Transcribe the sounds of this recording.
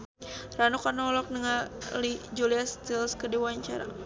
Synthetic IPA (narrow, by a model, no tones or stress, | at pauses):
ranukanɔlɔk̚nəŋalid͡ʒuliast̪ilskədiwaɲt͡ʃa̰ɾa̰